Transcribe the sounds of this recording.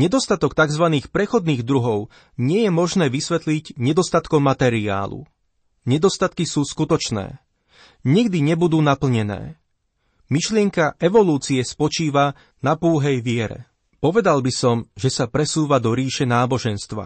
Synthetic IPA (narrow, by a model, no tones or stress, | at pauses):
ɲɛd̪ɔst̪at̪ɔkt̪aɡzʋaniːxpɾɛxɔd̪̚niːɣd̪ɾuɦɔʊ | ɲɪɛjɛmɔʒnɛːʋisʋɛt̪liɟɲɛd̪ɔst̪at̪kɔmːat̪ɛɾia̰ːlṵ | ɲɛd̪ɔst̪at̪kisuːskut̪ɔt͡ʃnɛ̰ː | ɲiɡd̪iɲɛbud̪uːnapl̩ɲɛnɛ̰ː | miʃlɪɛŋkaʔɛʋɔluːt͡siɛspɔt͡ʃiːʋa | napuːɦɛjʋɪɛɾɛ̰ | pɔʋɛd̪albisɔmʒɛsapɾɛsuːʋad̪ɔɾiːʃɛnaːbɔʒɛnst̪ʋa̰